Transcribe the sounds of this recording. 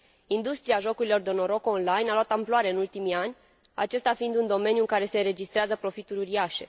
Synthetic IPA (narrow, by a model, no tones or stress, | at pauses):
ind̪ust̪ɾiaʒo̞kuɾilo̞rd̪o̞no̞ɾo̞konlajnaloat̪amploaɾe̞ɨnult̪imianʲ | a̰t͡ʃe̞st̪afind̪und̪o̞me̞njuɨŋkaɾe̞se̞ɾe̞d͡ʒist̪ɾeazəpɾo̞fit̪uɾʲuɾiaʃe̞̰